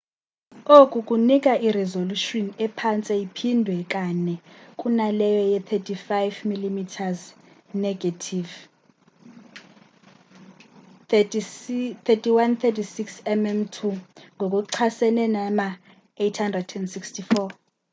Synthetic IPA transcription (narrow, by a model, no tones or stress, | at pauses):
okʼukʼunikʼaʔiɾɛzoluʃɔnɛpʰant͡sʼɛipʰindʱwɛkʼanɛkʼunalɛjɔjɛt̪ʰɛtʰifajvmilimitʰaz | nɛɡatʰiv | t̪ʰɛtʰʼiwant̪ʰɛtʰisiksɛmɛmtʰuŋɡʱokʼuǀʰasɛnɛnama | ejtʰhandrɛdɛndsikstʰifɔ